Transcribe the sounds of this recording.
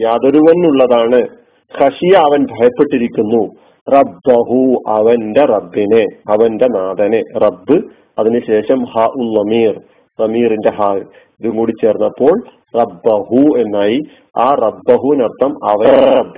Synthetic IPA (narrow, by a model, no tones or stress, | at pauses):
jaːd̪oɾuʋɐnːuɭːɐðaːɳɨ | xɐʂijɐːʋɐnbʱɐjɐpːe̞ʈːiɾikʲːunːu | rɐbːɐɦuɐʋɐnde̞rɐbːine̞ɐʋɐnde̞naːd̪ɐne̞rɐbːɨ | ɐðinɨɕe̞ːʂɐmhaʔunːɐmiːr | nɐmiːrinde̞ɦaː | iðuŋkuːɽit͡ɕːe̞ːrnːɐpːo̞ːɭ | rɐbːɐɦue̞nːaːji | aːrɐbːɐɦuʋinɐrt̪ʰɐmɐ̰ʋɐb